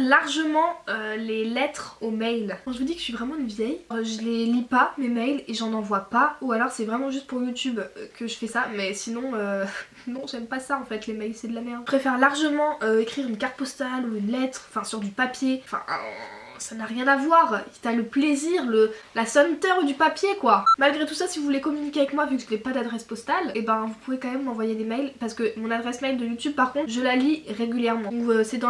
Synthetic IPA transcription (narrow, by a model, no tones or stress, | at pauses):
laʁʒəmɑ̃ølelɛt̪χomɛjlkɑ̃ʒəvud̪ikə̥sivʁɛmɑ̃ynvjɛjʁʒəlelipamemɛjleʒɑ̃nɑ̃vwapaualɔʁsɛvʁɛmɑ̃ʒyst̪̚puʁjut̪ybkəʒəfɛsamɛsinɔ̃ø | nɔ̃ʒɛmpasaɑ̃fɛt̪lemɛjlsɛd̪əlamɛpχefɛʁlaʁʒəmɑ̃ʔøekχiʁynkaʁt̪̚pɔst̪aluynlɛt̪χɑ̃fɛ̃syʁd̪ypapjẽfɛ̰̃ | sanaʁjɛ̃navwaʁt̪yaləpleziʁləlasɔnt̪œʁud̪ypapjekwamalɡʁet̪usasivuvulekɔmynikʲeavɛkmwavykəʒəulɛpad̪ad̪ʁɛspɔst̪alebɛ̃vupuvekɑ̃mɛmːɑ̃vwajed̪emɛjlpaʁsə̥kəmɔ̃nad̪ʁɛsmɛjld̪əjut̪yb̚paʁkɔ̃t̪χʒəlaliʁeɡʲyljɛʁmɑ̃ɔ̃køsɛd̪ɑ̃